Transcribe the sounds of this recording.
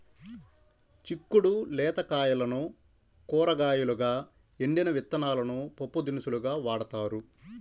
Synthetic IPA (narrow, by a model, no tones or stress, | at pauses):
t͡ʃikːuɽulɛːt̪ɐkaːjɐlɐnu | kɔːɾɐɡaːjuluɡaː | eɳɖinɐʋit̪ːɐnaːlɐnupopːud̪inisuluɡaːʋaːɽɐt̪aːɾu